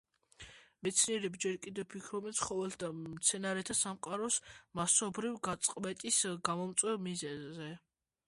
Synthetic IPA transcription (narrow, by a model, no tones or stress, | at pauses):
mɛt̪sʰniɛɾɛbd͡ʒɛɾkʼid̪ɛvpʰikʰɾɔbɛnsʰχɔvɛlt̪ʰd̪amt̪sʰɛnaɾɛt̪ʰasamqʼaɾɔsmasɔbɾivɡat̪sʼqʼvɛt̪ʼisɡamɔmt̪sʼwɛvmizɛzːɛ